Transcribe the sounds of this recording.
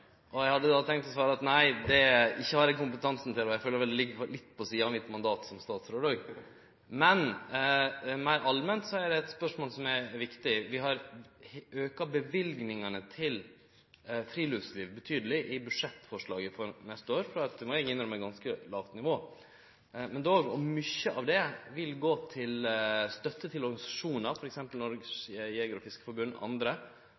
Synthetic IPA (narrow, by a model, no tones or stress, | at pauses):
ʔɔjæɪhɑd̪ːəd̪ɑt̪ʰɛŋkt̪ɔsʋɑːɾəɑt̪næɪd̪ɛɪçːəhɑɾɛkʊmpət̪ʰɑnsn̩t̪ɪlɔjæɪføːləɾʋɛld̪ɛlɪɡːlɪt̪ːpʰɔsiːɑnmɪt̪ːmɑnd̪ɑːt̪sɔmst̪ɑːt̪sɾoɖ̪ɑːɡ | mɛn | mæɪɾʔɑlmɛnt̪sɔæɖɛɛt̪spœʂmoːlsɔmæɾʋɪkt̪ɪʋɪɦɑɾ | øːkɑbəʋɪlɡnɪŋənət̪ʰɪl | fɾiːlœʋsliːʋbət̪ʰyːd̪əlɪʔɪbʉʂɛt̪ːfɔʂɭɑːɡəfɔɾnɛst̪əoːɾfɾɑɑt̪mɔɛɡɪnːəɾmɛɡɑnskəlɑːʋt̪nɪʋoː | mɛnd̪oːɡɔmʏçːəʔɑʋd̪ɛʋɪlɡoːt̪ʰɪlst̪œt̪ːət̪ʰɪlɔɾɡɑnɪsɑ̥ʂuːnɑɾfɔɾɛksɛmpəlnɔɾɡəsjeːɡɾɔfɪskə̥fɔɾbʉnːɑ̰nd̪ɾə